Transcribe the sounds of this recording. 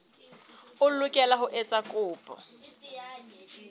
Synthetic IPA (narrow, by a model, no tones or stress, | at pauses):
ʊlʊkʼɛlaɦʊʔet͡sʼakʼʊːpʼɔ̰